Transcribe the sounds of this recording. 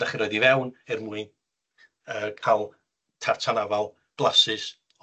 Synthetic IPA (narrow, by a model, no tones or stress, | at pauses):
aχiɾɔɨdivɛwnɪrmuɨn | əːkʰalˠ | tʰartʰanavalˠ | b̥lˠasɨs